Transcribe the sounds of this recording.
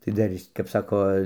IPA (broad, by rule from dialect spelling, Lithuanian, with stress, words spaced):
tɐɪ ˈdɐr ˈɪs kɐp ˈsɑːkoː